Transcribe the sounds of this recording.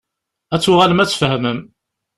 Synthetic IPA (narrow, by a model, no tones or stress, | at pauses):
æt͡sːʊʁaləmæt͡sːfhəməm